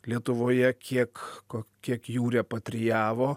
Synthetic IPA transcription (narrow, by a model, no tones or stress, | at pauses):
lʲiɛt̪ʊʋoːjɛkʲʰiɛkːokʲiɛkjuːɾʲɛːpɐt̪ʲɾʲɪjæːʋoː